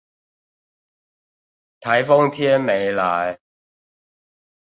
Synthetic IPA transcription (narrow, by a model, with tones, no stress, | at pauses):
t̪ʰɐ˨˥jfʊ˥ŋt̪ʰjɛ˥nme˨˧jlaː˨˥j